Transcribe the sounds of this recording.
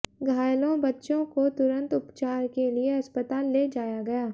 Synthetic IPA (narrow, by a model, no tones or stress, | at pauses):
ɡʱaːjlõbɐtːʃõkot̪ʊɾə̃nt̪ʊpt͡ʃaːɾkelieɐspət̪aːlːeːd͡ʒaːjaɡɐjaː